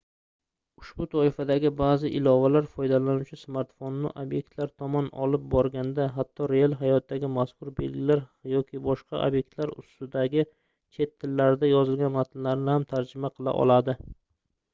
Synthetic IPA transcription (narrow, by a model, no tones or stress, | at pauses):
ʊʃbʊt̪ʰɒɪfad̪aɡʲɪbaːzɪʔɪlɒvalaɾfɒjd̪alanʊwt͡ʃʰɪsmaɾt̪fonːɪ̰ʔobje̞k̚t̪laɾt̪ʰɒmɒnɒ̰lɪp̚bɒɾɡʲand̪aɦat̪ʰːɒɾealˠɦajɒt̪̚ːaɡʲɪmaskʊɾbe̞̰lɡʲɪlaɾjɒkʲɪbɒʃqʰɑ̰ʔo̰bje̞k̚t̪laɾʊ̰st̪ɪd̪aɡʲɪ | t͡ʃʰe̞t̪ʰːɪlːaɾɪd̪ajɒzɪlˠɡʲanmat̪ʰɪnlaɾnɪhamt̪ʰaɾd͡ʒɪmaqʰɨlˠa̰ʔɒ̰lˠad̪ɪ